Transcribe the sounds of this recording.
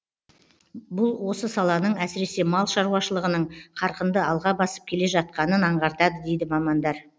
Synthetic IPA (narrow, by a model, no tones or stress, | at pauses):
bʊlˠwo̞səsɑlˠɑnəɴæsɪɾe̞se̞mɑlˠʃɑɾuwɑʃəlˠəʁənəɴqʰɑɾqənd̪əɑlˠʁɑbɑsə̥p̚kʲʰe̞le̞ʒɑt̪̚qɑnənɑɴʁɑɾt̪ɑd̪əd̪e̞jd̪ɪmɑmɑnd̪ɑɾ